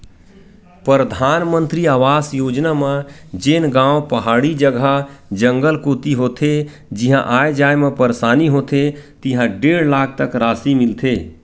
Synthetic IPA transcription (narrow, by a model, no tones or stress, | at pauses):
pɾɾəd̪ʱaːnmənt̪ɾiaːʋaːsjoːd͡ʒnamẽd͡ʒeːnɡãːopəɦaːɽid͡ʒəɡʱad͡ʒə̃ŋɡəlkoːt̪iɦoːt̪ʰe | d͡ʒiɦã̰ʔaːed͡ʒaːjmẽpəɾsaːniɦoːt̪ʰet̪iɦãɖeːɽlaːk̚ʰt̪əkɾaːsimɪlt̪ʰeː